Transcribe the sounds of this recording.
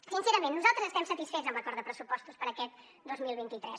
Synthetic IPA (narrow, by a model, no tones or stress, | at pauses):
sinseɾəmẽnːuzalˠt̪ɾəzəst̪ɛmsət̪isfezəmbəkɔɾd̪əpɾəsupɔst̪uspəɾəkɛt̪̚ | d̪ozmilˠβint̪it̪ɾɛs